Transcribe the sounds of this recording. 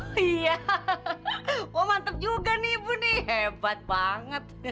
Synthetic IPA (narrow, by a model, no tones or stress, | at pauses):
ija | wɔmant̪əp̚d͡ʒuɡanibuniɦɛbat̪̚baŋət̪̚